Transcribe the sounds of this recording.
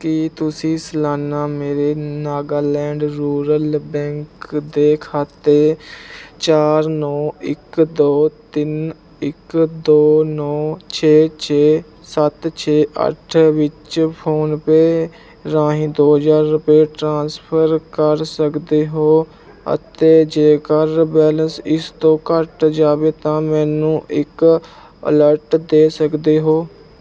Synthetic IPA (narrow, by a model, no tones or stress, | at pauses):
kɪt̪ʊsĩːsəlaːnaːmeːɾeːnaːɡaːlɛ̃ːɳɖɾuːɾəlbɛ̃ːŋkd̪eːkʰaːt̪eː | t͡ʃaːɾnɔ̃ːɪkd̪oːt̪ɪn | ɪkd̪oːnɔ̃ːt͡ʃʰeːt͡ʃʰeː | sət̪t͡ʃʰeːʔə̰ʈʰʋɪt͡ʃpʰoːnpeː | ɾãːɦĩːd̪oːɦəzaːɾːʊpeːʈɾãːnspʰəɾkəɾsəkd̪eːɦoː | ə̰t̪eːd͡ʒeːkəɾbɛːlənsɪst̪õːkəʈd͡ʒaːʋeːt̪ãːmɛːnũːʔɪk | ə̰ləɾʈd̪eːsəkd̪eːɦoː